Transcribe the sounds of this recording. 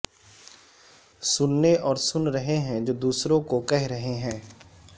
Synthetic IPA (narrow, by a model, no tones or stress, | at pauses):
sʊnːeʔɔːɾsʊnɾəɦeɦɛ̃d͡ʒoːd̪uːsɾõkokɛɦɾəɦeɦɛ̃ː